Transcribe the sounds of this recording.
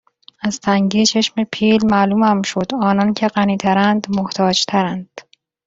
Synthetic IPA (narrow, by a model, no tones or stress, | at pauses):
æzt̪ʰæŋɟiːt͡ʃʰeʃmepʰiːlmæːluːmæmʃod̪̥ɒːnɒːncʰe̞ɢæniːt̪ʰæɾænd̪moht̪ʰɒːd͡ʒt̪ʰæɾænd̪̥